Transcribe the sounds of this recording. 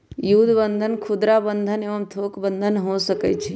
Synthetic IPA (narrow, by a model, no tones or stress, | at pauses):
jud̪bənd̪ʱənkʰud̪ɾabənd̪ʱəneʋəmt̪ʰokbənd̪ʱənɦosəkɛ̰t͡ʃʰi